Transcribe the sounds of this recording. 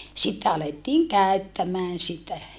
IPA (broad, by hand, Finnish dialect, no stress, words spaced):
sitːe ɑletːiːŋ kæøtːæmæːn sitæ